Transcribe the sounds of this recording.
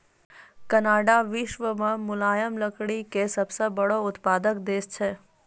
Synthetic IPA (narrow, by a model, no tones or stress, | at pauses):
kənaːɖaʋɪʃʋəmãmʊlajəmləkɽikesəbsəbəɽoʊt̪pad̪əkd̪eʃt͡ʃʰe